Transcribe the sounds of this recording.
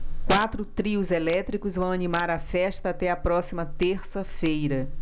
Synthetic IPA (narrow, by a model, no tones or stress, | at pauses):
kwat̪ɾʊt̪ɾiʊzelɛt̪ɾikʊzvɐ̃w̃ɐnimaɾɐfɛst̪ɐːt̪ɛɐpɾɔsimɐt̪eɾsɐfejɾɐ